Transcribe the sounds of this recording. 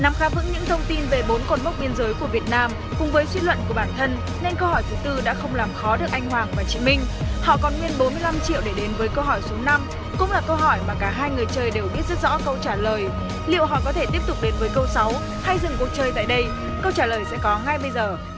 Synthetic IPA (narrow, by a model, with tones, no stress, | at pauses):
na˨˦mxaː˨˦vɨ̰˧˥ŋɲɨ̰˧˥ŋt̪ʰə˧wŋ͡mt̪i˧nve˨˩ɓo˨˦nkɔ˨˩nm˦˥wk͡p̚ɓi˧ənzəː˨˦jku˧˩əvi˨˩ət̚naː˧m | kʊ̰˨˩ŋ͡mvəː˨˦jswi˧lwə̰˧˨nku˧˩əɓaː˧˩nt̪ʰə˧n | na˧jnk̬ə˧whɔ˧˩jt̪ʰɨ˨˦t̪ɨ˧ɗa̰ː˧˥xə˧wŋ͡mlaː˨˩mxɔ˨˦ɗɨ˨˩ək̚ʔa˧jŋ̟hwaː˨˩ŋvaː˨˩t͡ɕḭ˧˨mï˧ŋ̟hɔ̰˧˨kɔ˨˦nwi˧ənɓo˨˦nmɨ˧əjla˧mt͡ɕḭ˧˨əwɗe˧˩ɗe˨˦nvəː˨˦jkə˧wɦɔ˧˩jsu˨˦na˧m | kʊ̰˧˥ŋ͡mlaː˨˩kə˧wɦɔ˧˩jmaː˨˩kaː˧˩ɦaː˧jŋɨ˨˩əjt͡ɕəː˧˩jɗe˨˩wɓi˦˥ət̚zə˦˥t̚zɔ̰˧˥kə˧wt͡ɕaː˧˩ləː˨˩j | lḭ˧˨əwɦɔ̰˧˨kɔ˨˦t̪ʰe˧˩t̪i˦˥əp̪̚t̪ʊ˨˩k͡p̚ɗe˨˦nvəː˨˦jkə˧wsa˨˦w | ha˧jzɨ̰˧˨ŋku˨˩k̚t͡ɕəː˧˩jt̪a̰ː˧˨jɗə˧j | kə˧wt͡ɕaː˧˩ləː˨˩jsɛ̰˧˥kɔ˨˦ŋa˧jɓə˧jzəː˨˩